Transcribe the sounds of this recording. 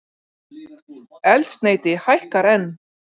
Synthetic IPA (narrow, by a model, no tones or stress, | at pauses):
ɛlt̪st̪neːjt̪ɪhajhkaɾɛnː